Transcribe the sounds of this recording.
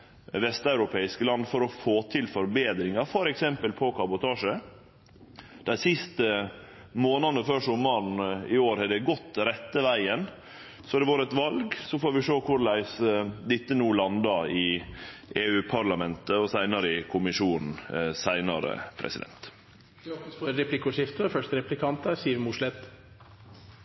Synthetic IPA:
ʋɛst̪ɑʉɾʊpʰeːɪskəlɑnd̪fɔɾɔfoːt̪ʰɪlfɔɾbeːd̪ɾɪŋɑɾfɔɾɛksɛmpəlpʰɔkʰɑbʊt̪ʰɑːʂə | d̪̥æɪsɪst̪ə | moːnɑnəfœʂʊmɑɳnɪoːɾhɑd̪ɛɡɔt̪ːɾɛt̪ːəʋæɪən | sɔd̪ɛʋɑːɾəɛt̪ʋɑlɡsɔfoːɾʋɪʂoːkʰʊɾlæɪsd̪ɪt̪ːənuːlɑnd̪ɑɪ | ʔeːʉːpʰɑɾlɑmɛnt̪əɔsæɪnɑɾəɪkʰʊmɪʃuːnn̩sæɪnɑɾə̰pʰɾɛ̰sɪd̪ɛ̰nt̪ | ɾɛplɪkʊʂɪft̪əfœʂtəɾɛplɪkʰɑnt̪əsiːɾmʊʂlɛt̪

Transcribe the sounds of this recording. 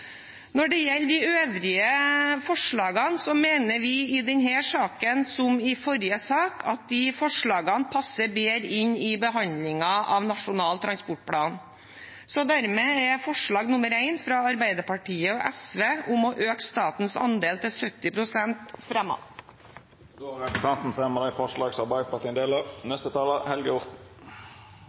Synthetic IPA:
nɔɖɛjɛlːd̪ɪøːʋɾɪəfɔʂɭɑːɡɑnsɔmeːnəɾʋɪɪd̪ɛnhæːʂɑːkənsɔmɪfɔɾɪəsɑːkʰɑt̪̚d̪ɪfɔʂɭɑːɡɑnpʰɑsːəbeːɾɪɲɪbəɦɑnd̪lɪŋɑʔɑ̰ʋnɑʂʊnɑːlt̪ʰɾɑnspʊʈ̚pʰɽɑːn | sɔd̪æɾmeːɛfɔʂɭɑːɡnʊməɾæɪnfɾɑɑɾbæɪd̪əɾpɑʈiːəɔʔɛsʋeːʔʊmɔʔøːkst̪ɑːt̪n̩sɑ̰nd̪eːlt̪ɪlsœt̪ːɪpɾʊsɛnt̪fɾɛmːɑ̰ | oːɾɛpɾəsɑnt̪n̩fʁɛməɾəɪfɔʂlɑːɡsɑʁbæɪpʰɑʈ̪ʰiːnd̪eːlənɛst̪ət̪ʰɑːləhɛlɡəʊʁt̪n̩

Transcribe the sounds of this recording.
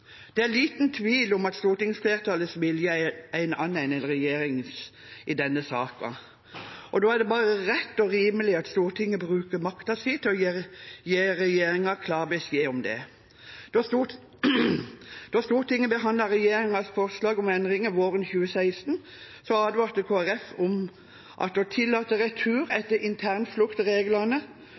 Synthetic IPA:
d̪̥ɛæliːt̪nt̪ʰʋiːlɔmɑt̪st̪uːɾʈ̪ɪŋsfleːɾət̪ʰɑːləsʋɪljəææɪnɑnːæɪnɛlɾɛjeːɾɪŋs | ɪd̪ɛnːəsɑːkɑ̰ | ʔɔd̪oːæɖɛbɑːʁəʁɛt̪ːɔɾiːməlɪɑt̪st̪uːʁʈʰɪŋːəbɾʉːkəɾmɑkt̪ɑsɪt̪ɔjeːɾjeːɾɛjeːɾɪŋɑkʰlɑːʁbɛsjeːɔmd̪ɛ̰ | d̪̥ot̪u | d̪̥ost̪uːɾʈ̪ɪŋːəbəɦɑnd̪lɑɾɛjeːɾɪŋɑsfɔɾslɑːɡɔmɛnd̪ɾɪŋəʋoːɾənçʉːəsæɪst̪n̩ | sɔɑːd̪ʋɑːʁt̪əkʰoːæɾɛfɔm | ʔɑ̰t̪̚d̪ɔt̪ʰɪlːɑːt̪əɾɛt̪ʰʉːɾɛt̪ːəɾʔɪnt̪ʰæʁnflʉkt̪ɾeːɡlənə

